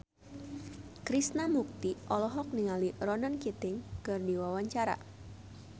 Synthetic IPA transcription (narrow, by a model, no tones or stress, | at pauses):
kɾisnamuk̚t̪iʔɔlɔɦɔk̚niŋalirɔnankit̪ɪŋkɨrdiwawaɲt͡ʃaɾa̰